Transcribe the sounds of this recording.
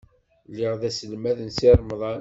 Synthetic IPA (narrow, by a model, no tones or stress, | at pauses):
liʁðæsəlmæðənsiɾˤmðˤɑ